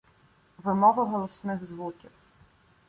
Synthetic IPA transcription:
ʋɪmɔʋɐɦɔlˠɔsnɪɣzʋukʲiw

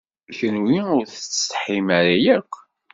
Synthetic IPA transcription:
çənwiʊɾθət͡s̪ːħimaɾajækʷː

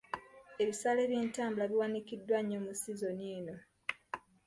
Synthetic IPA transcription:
e̞βisaːleːβjiːntaːmbulaβiwanikidːwaɲːo̞musizo̞niːno̞

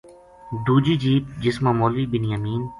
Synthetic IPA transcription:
d̪uːd͡ʒiːd͡ʒiːp̚d͡ʒɪsmaːmoːliːbɪnjaːmiːn

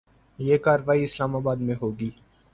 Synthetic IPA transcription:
jeːkaːɾʋaːiɪslaːmaːbaːd̪mẽɦoːɡiː

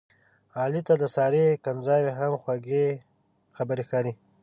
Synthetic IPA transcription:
ɑːlit̪ad̪əsɑːɾekanzɑweɦamxwaɡe | xabəɾixɑːɾi

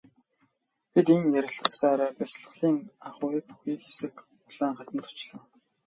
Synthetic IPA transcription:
pʲit̪eŋjæɾʲɪ̆ɮə̆saːɾæːpæsɮə̆χɮiːŋaχʊpu̥xiːxesɘ̆k | ʊɮ̥æːŋχat̪ə̆nt̪ʊ̥t͡ɕɮə̆ː

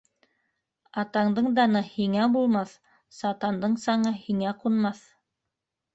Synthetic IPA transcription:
ɑt̪ɑɴd̪ɤɴd̪ɑnɤhiŋæbulˠmɑθ | sɑt̪ɑnd̪ɤɴsɑɴɤhiŋæqunmɑθ

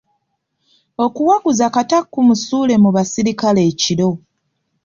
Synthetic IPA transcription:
o̞kuwaɡuzakatakːumusuːle̞muβasiɾikale̞ːciɾo̞

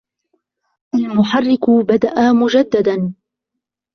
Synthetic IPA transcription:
ʔalmʊħarːɪkʊbad̪aʔamʊd͡ʒad̪ːad̪an

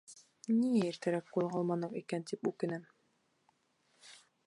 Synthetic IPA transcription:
niæiɾt̪æɾæp̚qulˠʁɑlˠmɑnɤqikænt̪ipʉkɘ̆næm

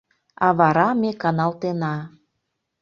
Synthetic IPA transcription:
ɑβɑɾɑmekɑnɑlt̪enɑ

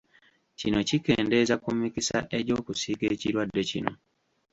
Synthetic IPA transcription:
cino̞cike̞̰ːnde̞zakumikisa̰ʔe̞ɟo̞ːkusiːkeːciɾwadːe̞cino̞̰

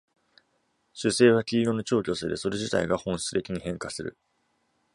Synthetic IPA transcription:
ɕɨse̞ːβakʲiːjo̞no̞t͡ɕo̞ːkʲo̞sed̪e̞so̞ɾe̞ʑit̪a̰iɡahõ̞ɕi̥t͡sɨ̥t̪e̞kʲiɲ̟ihẽ̞ŋkasɨɾɯ̰

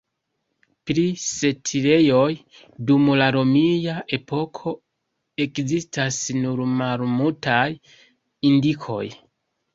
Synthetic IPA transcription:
pɾise̞tʰiɾe̞jo̞j | dumlaɾomijaʔe̞pʰo̞kʰo̞ | e̞kzistasnuɾmalmultaj | indikʰo̞̰j

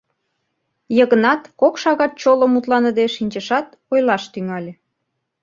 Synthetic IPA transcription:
jəɣənɑt̪kokʃɑɣɑt̪̚t͡ɕoləmut̪lɑnəd̪eʃinʲt͡ɕəʃɑt̪ | ojlɑʃt̪yŋɑlʲe

